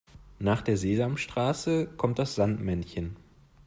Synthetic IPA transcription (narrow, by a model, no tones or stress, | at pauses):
naːχd̥eːɐzeːzamʃtʁ̥aːsəkʰɔmt̚d̥asz̥antmɛnçən